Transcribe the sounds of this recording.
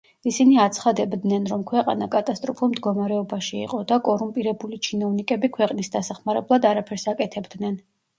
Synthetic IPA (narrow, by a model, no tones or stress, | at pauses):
isiniat̪sʰχad̪ɛbd̪nɛnɾɔmkʰwɛqʼa̰nakʼat̪ʼast̪ʼɾɔpʰulˠmd̪ɡɔmaɾɛɔbaʃḭːqʼɔd̪akʼɔɾumpʼiɾɛbulit͡ʃʰinɔvnikʼɛbikʰwɛqʼnisd̪asaχmaɾɛblˠad̪aɾapʰɛɾsakʼɛt̪ʰɛbd̪nɛn